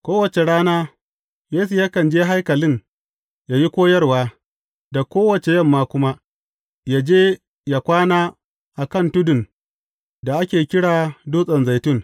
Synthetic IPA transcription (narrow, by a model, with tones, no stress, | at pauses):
kʷoː˦wɐ˨t͡ʃe˨ɽaː˦naː˦ | jeː˦s̬u˨ja˦kɐ˨nd͡ʒeː˦ɦa˦jkɐ˨lɪ˦ŋ | jaː˦ji˦kʷoː˦jɐ˦rwaː˦ | da˨kʷoː˦wɐ˨t͡ʃe˨jɐ˦mːaː˦kʷʊ˦ma˦ | jaː˦d͡ʒeː˦ | ja˨kʷaː˦naː˦ | ʔa˨kɐ˦˨ntʊ˦dʊ˨n | da˨ʔa˦kʲeː˨kʲɪ˦ɽaː˨duː˦sʼɐ˨nza˨jtʊ˦˨ŋ